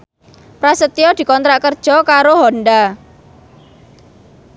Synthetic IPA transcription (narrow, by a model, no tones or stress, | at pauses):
pɾasət̪iɔd̪̥i̤kɔnt̪ɾaʔkərd̥ʒ̥ɔkaɾoɦɔnɖa